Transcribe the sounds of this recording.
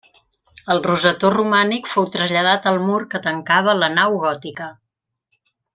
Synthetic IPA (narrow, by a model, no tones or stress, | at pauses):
əlˠruzət̪orumanikfowt̪ɾəzʎəð̞at̪əlˠmurkət̪əŋkaβ̞ələnawɣɔt̪ikə